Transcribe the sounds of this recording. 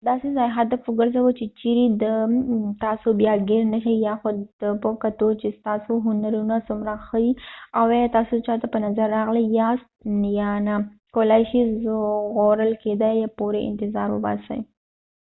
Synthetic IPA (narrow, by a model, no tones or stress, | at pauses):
d̪ɑsezɑjɦad̪afwəɡəɾzawət͡ʃet͡ʃiɾid̪ət̪ɑsobjɑɡeɾnaʃajɑxod̪̥əpəkat̪ot͡ʃest̪ɑsoɦʊnaɾunasʊmɾaxəd̪iawjt̪ɑsot͡ʃɑt̪apənazaɾːɑɣləjjɑst̪̚njɑna | kowlajʃiʒɣoɾəlked̪ajjapoɾeʔɪ̰nt̪ɪzɑɾwə̰bɑ̰sə̰ji